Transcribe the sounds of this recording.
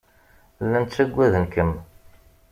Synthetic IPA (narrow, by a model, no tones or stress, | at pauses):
lːænt̪sæɡʷːæðənkəm